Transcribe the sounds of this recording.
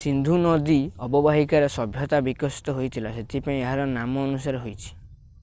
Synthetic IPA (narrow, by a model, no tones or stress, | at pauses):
sind̪ʱunɔd̪iɔbɔbaɦikaɾesɔbʱjɔt̪abikɔsi̥t̪ɔɦojt̪ʰilaset̪ʰipaĩeɦaɾɔnamɔːnusaɾeɦojt͡ʃʰi̥